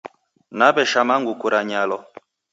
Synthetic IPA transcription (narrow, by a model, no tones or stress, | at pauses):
nabɛʃamaŋɡukuɾaɲalɔ